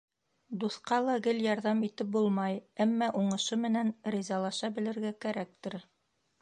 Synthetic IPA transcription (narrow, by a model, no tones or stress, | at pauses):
d̪uθqɑlˠɑɡɘljɑɾðɑmit̪ɘp̚bulˠmɑjæmːɑʔuɴɤ̆ʃɤmɘ̆nænɾizɑlˠɑʃɑbɘ̆lɘ̆ɾɡækæɾæk̚t̪ɘɾ